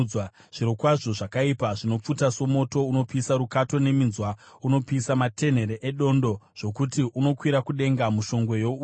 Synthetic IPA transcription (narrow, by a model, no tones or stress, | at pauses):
w | ʐ̥iɾo̞kwaʐo̞ʐakaipaʐino̞p͡futaso̞mo̞to̞uno̞piːsaɾukato̞ne̞minzwa | uno̞piːsamatʰe̞n̤e̞ɾeʔeɗo̞ndo̞ʐ̥o̞kutiʔuno̞kwiɾakuɗe̞ŋɡamuʃo̞ŋɡwe̞jo̞u